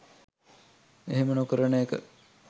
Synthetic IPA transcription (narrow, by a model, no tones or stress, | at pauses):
eɦemənokəɾənəjekə̰